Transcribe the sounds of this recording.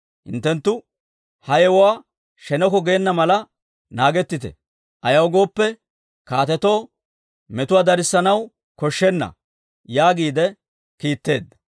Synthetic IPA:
hɪ̰nt̪ːɛnt̪ːʊ | hɐjɛwɔwaː | ʃɛnɔkɔɡeːnːɐmɐlɐ | naːɡɛt̪ːɪt̪ɛ̰ | ʔɐjɐwɡo̞ːpːɛ | kaːt̪ɛt̪o̞ː | mɛt̪ʊwaːd̪ɐɾɪsːɐnɐw | kɔʃːɛnːɐ̰ | jaːɡiːd̪ɛ | kiːt̪ːe̞ːd̪ːɐ̥

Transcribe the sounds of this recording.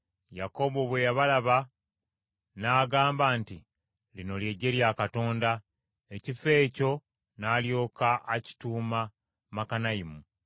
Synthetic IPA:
jako̞βoβwe̞jaβalaβa | naːɡaːmbanti | lino̞lje̞ɟe̞ɾjakato̞ːnda | ecife̞ːco̞ | naːljo̞ːkaʔaci̥tuːma | makanaimu

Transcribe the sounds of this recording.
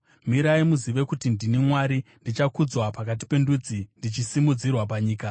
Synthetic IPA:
miɾaimuziʋe̞kutindinimwaɾindit͡ʃakud͡zwapakat̬i̥pe̞ndud͡zindit͡ʃisimud͡zirwapaɲiːka

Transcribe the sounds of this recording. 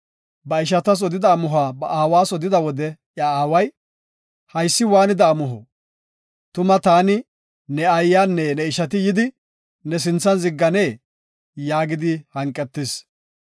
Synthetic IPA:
bɐɪʃ̬ɐt̪ɐs̬ɔd̪ɪd̪ɐːmʊɦaːbɐʔaːwaːsɔd̪ɪd̪ɐwɔd̪ɛ | jɐaːwɐj | hɐjsːɪwaːnɪd̪ɐːmʊɦɔ̰ | t̪ʊmɐt̪aːnɪ | nɛɐjːaːnːɛnɛɪʃɐt̪̬ɪjɪd̪ɪ | nɛs̬ɪnt͡sːɐnzɪɡːɐneː | jaːɡɪd̪ɪhɐŋkʼːɛt̪ːɪs

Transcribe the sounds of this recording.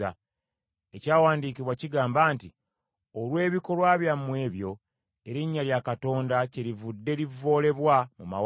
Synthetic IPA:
a | ecaːwaːndiːkiβwaciɡaːmbaːnti | olwe̞ːβiko̞lwaːβjamːwe̞ːβjo̞ | eɾiɲːaljakato̞ːndaciɾivudːe̞livːo̞ːle̞βwamuma̰w

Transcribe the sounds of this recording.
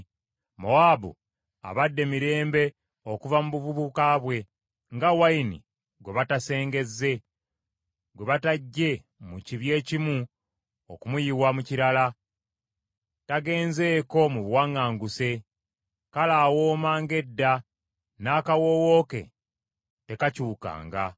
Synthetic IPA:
moabṵ | a̰βadːe̞miɾe̞ːmbe̞ | okuvamuβuvuβukaβwe̞ | ŋɡawainḭ | ɡwe̞βatase̞ːŋɡe̞zːe̞ | ɡwe̞βataɟːe̞ | muciβje̞ːcimu | okumujiwamuciɾala | taɡe̞ːnze̞ːko̞muβwaŋːaːŋɡuse̞ | kalaːwo̞ːmaːŋɡe̞dːa | naːkawo̞wo̞ke̞̰ | te̞kacuːka̰ːŋɡa̰

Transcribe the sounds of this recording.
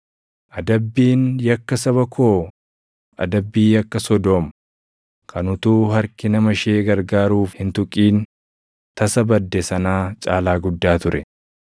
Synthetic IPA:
ʔɐd̪ɐbːiːnjɐkːɐsɐβɐkʰo̞ː | ʔɐ̰d̪ɐbːiːjɐkːɐsɔd̪oːm | kʰɐnʊt̪uːɦɐɾkɪnɐmɐʃeːɡɐɾɡaːɾuːfhɪnt̪ʊkʼiːn | t̪ɐsɐbɐd̪ːɛsɐnaːt͡ʃʼaːlaːɡʊd̪ːaːt̪ʊɾɛ

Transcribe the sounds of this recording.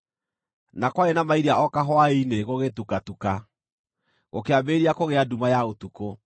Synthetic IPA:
nakwaenamaiɾiaʔɔkaɦɔaeineɣoɣetukatuka | ɣokeabeːɾiakoɣeadumajaotuko

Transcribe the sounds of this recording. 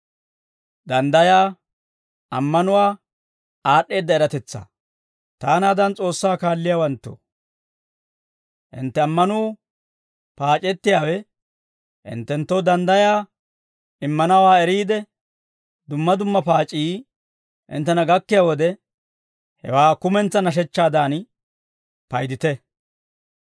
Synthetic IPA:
d̪ɐnd̪ɐjaː | ɐmːɐnʊwaː | aːɗːe̞ːd̪ːɐɛɾɐt̪ɛt͡sːa̰ | t̪aːnaːd̪ɐnt͡sʼo̞ːsːaːkaːlːɪjaːwɐnt̪ːo̰ | ʔɪ̰nt̪ːɛɐmːɐnuː | paːt͡ʃʼɛt̪ːɪjaːwɛ | ʔɪ̰nt̪ːɛnt̪ːɔwd̪ɐnd̪ɐjaː | ɪmːɐnɐwaːɛɾiːd̪ɛ | d̪ʊmːɐd̪ʊmːɐpaːt͡ʃʼːiː | ʔɪ̰nt̪ːɛnɐɡɐkːɪjaːwɔd̪ɛ | hɛ̰waːkʊmɛnt͡sːɐnɐʃ̬ɛt͡ʃːaːd̪aːn | pɐjd̪ɪt̪ɛ

